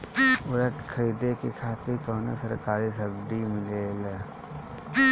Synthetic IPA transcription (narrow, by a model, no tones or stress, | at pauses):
ʊɾɐkkʰːɐɾiːd̪ekekʰaːt̪ɪɾkoːnḛsɐɾkaːɾiːs̬ɐbd̪iməɡeːl